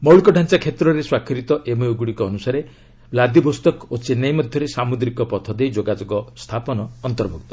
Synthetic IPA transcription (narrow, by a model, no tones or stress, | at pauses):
mɔwlkɔɖʱant͡ʃakʰet̪ɾɔɾeswakʰiɾit̪ɔʔemeuɡuɽikɔːnusaɾe | blad̪ibʱost̪ɔkot͡ʃenɔjmɔd̪ʱjɔɾesamud̪ɾikɔpɔt̪ʰɔd̪ejd͡ʒoɡad͡ʒoɡɔst̪ʰapɔnɔːnt̪ɔɾbʱɔk̚t̪ɔ̥